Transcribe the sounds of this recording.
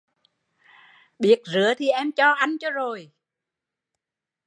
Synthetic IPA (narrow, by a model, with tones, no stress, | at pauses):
ɓi˨˥ət̚zɨ˨˦ət̪ʰi˨˩ʔɛ˧mt͡ɕɔ˧ʔa˧jŋ̟t͡ɕɔ˧zo˨˩j